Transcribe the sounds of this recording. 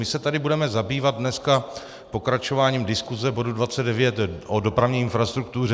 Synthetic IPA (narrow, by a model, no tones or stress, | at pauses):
mɪsɛt̪adɪbudɛmɛzabiːvad̪̚dnɛska | po̞kɾat͡ʃo̞vaːɲiːmdɪskuzɛbo̞dudvat͡sɛd̚dɛvjɛt̪ʔodo̞pɾavɲɛːɪnfɾast̪ɾuk̚t̪urɛ